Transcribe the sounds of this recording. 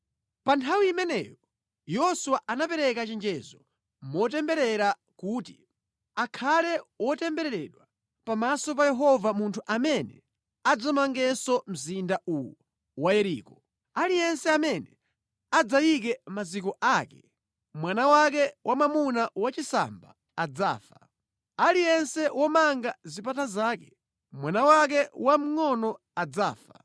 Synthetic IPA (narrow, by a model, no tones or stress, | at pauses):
pantʰawiːmɛnɛ̰ːjɔ | jɔsuwaʔanapɛɾɛkat͡ʃɛnd͡ʒɛzɔ | mɔtɛmbɛɾɛɾa | kuːti | akʰalɛwɔtɛmbɛɾɛɾɛɗwa | pamasɔpajɛɦɔvamuntʰuʔamɛnɛ̰ | ad͡zamaŋɡɛsɔm̩zindaʔuwu | wajɛɾḭːkɔ | alijɛnsɛamɛnɛ | ad͡zajik̬ɛmazikɔʔakɛ | mwanawak̬ɛwamamunawat͡ʃisa̰mba̰ː | d͡za̰ːfa | alijɛnsɛwʔɔmaŋɡazipatazaːkɛ | mwanawak̬ɛwam̩ŋɔnɔ | ad͡za̰ːfa